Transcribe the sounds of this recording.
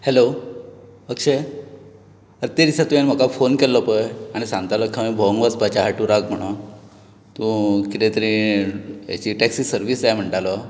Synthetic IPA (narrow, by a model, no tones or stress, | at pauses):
helo | bəkɕe | əɾt̪ed̪isat̪ũjenm̤əkafonkelːɔpəjaɽ̃isãŋɡt̪alɔkʰamibʱɔŋʋat͡sbat͡ɕaɦaʈũɾakm̤əɽ̃u | t̪ũkit̪ẽt̪əɾĩ | ja̰t͡ɕiːʈɛksiːsəɾʋisajm̤əɳʈalɔ